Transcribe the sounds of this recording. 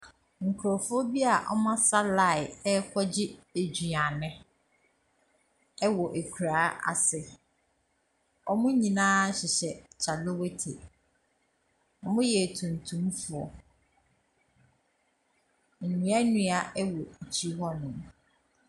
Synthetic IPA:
ŋ̩˨kʰu˨ɾɔ˨fʊ˦ɔ˦bi˦a˨ʔɔ̰˦mã˦sa˦la˦˨ɪ˨ɛ˦kʷʰɔ˦d͡ʑɪ˦e˨d͡ʑᶣɥa˨nɪ̃˦ | ɛ˦wɔ˨ʔe˨kʰu˨ɾaː˨˦ʔa̰˨sɪ˨ | ɔ˦mʊ̃˦ɲĩ˨nãː˦ɕɪ˨ɕɛ˨t͡ɕʰa˨lo˦we˦tʰḛ˨ | ɔ˨mʊ̃˦jɛ˨tʰũ˨n˨tʰũ˨˦m˦fʊ˦ɔ˦ | n̩˨nũ˨˦a˦nũ˦a˦ɛ˦wɔ˨t͡ɕʰi˦ɦɔ˦nʊ̃˨m

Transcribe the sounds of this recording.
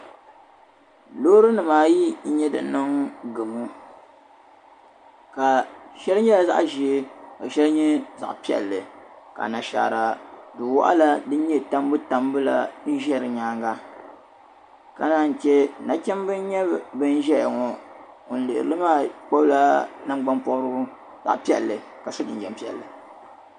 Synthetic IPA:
loː˦ɾɨ˦nɨ˨maː˨ji˦ɲɛ˦dɨ̰˨nɨ˦ŋɡɨ˨mu˦ | ka˨ʃɛ˦ɾɨ˦ɲɛ˦la˨za̰˦ʔʒi˨˦ko˨ʃɛ˦lɨ˦ɲɛ˦za̰˨ʔpi˨ɛ̰˨lːɨ˨ka̰˨na˨ʃa̰˨ɾa˨dɨ˨wa̰˦ʔa̰˦la˦dɨ˦n̩˦ɲɛ˦ta˦m˦bɨ˦ta˨mbɨ˦la̰˨nɨ˦ʒɛ˦ɾɨ˨ɲaː˦ŋɡa˦ | ka˦naː˦˨n̩˨t͡ʃɛ˦na˨t͡ʃɛ˦mbɨ˦n˦ɲɛ˦˨bɨ˦n˦ʒɛ˦ja˨ŋɔ˨ | o˨n̩˨lɨ̰˨ʔɾɨ˨lɨ˦maː˦˨k͡po˦bla˦na˦m˦ɡ͡ba˦npɔ˦ɾɨ˦ | za̰˨ʔpi˦ɛ̰˨lːɨ˨ | ka˨so˦dɨ˨n˨d͡ʒɛ˨m˦pi˦ɛ̰˨lːɨ˨

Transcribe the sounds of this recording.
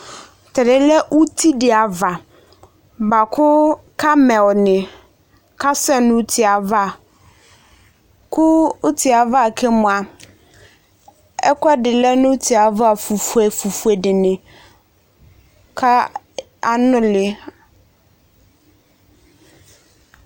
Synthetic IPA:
t̪ɛ˨dɪ˨lɛ˦ʔu˦t̪ʰi˦dɪ˨a˨va˨ | ba˨kʰʊ˦ | kʰa˦mɛ˨wnɪ̃˨ | ka˦sɛ˦nʊ̃˦tʰi˨a˨va˦˨ | kʰʊ˦ʊ˦t̪i˨a˨va˦˨kʰɛ˦mʊ̃˨a˨ | ɛ̰˦kʷa˦dɪ˨lɛ˦nʊ̃˦tʰi˨a˨va˨fu˨fe˨fu˨fu˨e˨dɪ˨nɪ̃˨ | kʰa˦ | a˦nʊ̃˦lɪ˨

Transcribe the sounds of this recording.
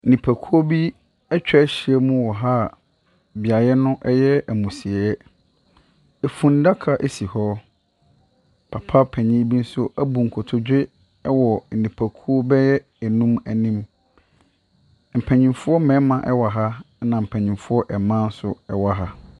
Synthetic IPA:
nĩ˨pʰæ˨kʰu˦o˦bi˦ | ɛ˦t͡ɕᶣɛ˦ɕɪ˨ɛ˦mũ˦wɔ˨ɦa˦˨ | bi˨a˨jɛ˦nʊ̃˦ʔɛ˦jɛ˦æ˨mũ˨si˨ɛ˨ɛ˦ | e˨fũ˨n˦da˦kʰa˨ʔe˦si˨hɔ˦ | pʰa˨pʰa˦pʰɛ˨ɲĩ˦bi˦n̩˦sʊ˦ʔæ˦bu˨ŋ̩˨kʰʊ˨tʰʊ˨d͡ʑᶣɪ˦ | ɛ˦wɔ˨n̩˨nĩ˨pʰæ˨kʰu˦o˦bɛ˦jɛ˦˨ | nũ˦mæ˨nĩ˦m | m̩˨pʰæ̃˨ɲĩ˨mfʊ˦ɔ˦mɛ̃˨˦mã˨ʔɛ˦wa˨ɦa˦ | nã˨m̩˨pʰɛ˨ɲĩ˨mfʊ˦ɔ˦ʔɛ˨mã˦n̩˦sʊ̰˦ɛ˨wa˨ɦa˦

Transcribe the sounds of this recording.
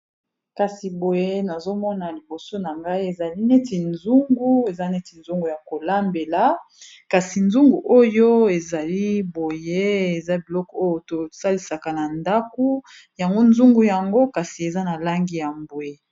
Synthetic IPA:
ka˨si˨bo˨je˦na˨zo˦mɔ˦na˨li˨bo˨so˦na˨ŋɡa˦i˦e˨za˨li˦ne˦ti˨nzu˦ŋɡu˦e˨za˦ne˦ti˨nzu˦ŋɡu˨ja˨ko˨la˦mbe˨la˦ | ka˨si˨nzu˦ŋɡu˨ʔo˦jo˦e˨za˨li˦bo˨je˦e˨za˦bi˨lɔ˦kɔ˦o˦jo˨to˨sa˦li˨˦sa˨ka˨na˨nda˦ku˦ | ja˨ŋɡo˦nzu˦ŋɡu˨ja˨ŋɡo˦ka˨si˨e˨za˦na˨la˦ŋɡi˦ja˨mbwe˨

